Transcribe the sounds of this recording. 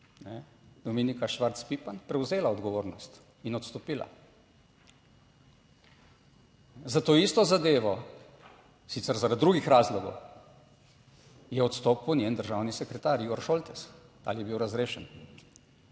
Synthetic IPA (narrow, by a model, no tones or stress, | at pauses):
nɛ | d̪ɔmeːnikaʃʋaɾt̪spipanpɾɛwzeːlaɔd̪ɡɔʋoːɾnɔst̪ | inɔt̪st̪ɔpiːla̰ | zat̪oːist̪ɔzad̪eːʋɔ | sit̪sɛɾzaɾad̪d̪ːɾuːɡixɾaːzlɔɡɔw | jɛɔt̪st̪ɔːpuwnʲjeːnd̪əɾʒawnisɛkɾɛt̪aːɾiːɡɔɾʃoːlt̪ɛs | aːlijɛbiwɾazɾeːʃɛn